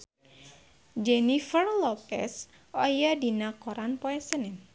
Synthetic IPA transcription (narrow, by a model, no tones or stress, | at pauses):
d͡ʒenifərlɔpɛ̰s | ɔjadinakoɾanpɔɛsənɪn